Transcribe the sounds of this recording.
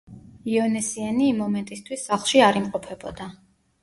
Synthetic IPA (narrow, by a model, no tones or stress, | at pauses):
iɔnɛsianiːmːɔmɛnt̪ʼist̪ʰwisːaχlˠʃiaɾimqʼɔpʰɛbɔd̪a